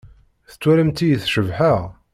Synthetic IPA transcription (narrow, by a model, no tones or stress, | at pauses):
θə̥t͡sːwæɾəmt̪ijəθʃəvħaʁ